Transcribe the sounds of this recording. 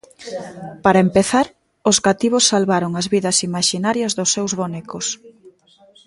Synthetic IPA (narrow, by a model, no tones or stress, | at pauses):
paɾɐempeθaɾ | ʊzɣat̪iβosːalβaɾoŋɐzβiðɐsimaʃinaɾjɐzðʊsːewzβonɛkos